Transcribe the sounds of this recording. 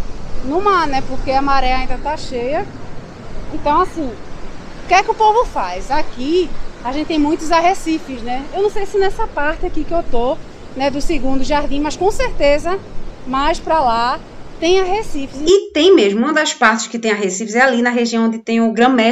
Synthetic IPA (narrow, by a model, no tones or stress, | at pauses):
nũmanɛpoɾkeamaɾɛɐaĩd̪ɐt̪aʃejɐ | ẽnt̪ɐ̃w̃asĩʊkɛkɪʊpovʊfajzakiaʒẽt̪ɪt̪ẽj̃mũj̃t̪ʊzaɦesifɪznɛewnɐ̃w̃sejsɪnɛsɐpaɾt̪ɪakikɪewt̪o | nɛd̪ʊsɪɡũd̪ʊʒaɾd̪ĩmɐskõseɾt̪ezɐmajspɾala | t̪ẽj̃aɦesifɪzit̪ẽj̃meʒmʊũmɐd̪ɐspaɾt̪ɪ̥ʃkɪt̪ẽj̃aɦesifɪzɛalinɐɦeʒiɐ̃w̃õd̪ɪt̪ẽj̃ʊɡɾɐ̃mɛ